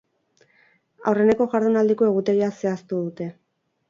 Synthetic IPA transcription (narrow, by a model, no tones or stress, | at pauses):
a̰wre̞ne̞ko̞ɣaɾðonald̪iko̞e̞ɣ̞ut̪e̞ɾiase̞ast̪uðut̪e̞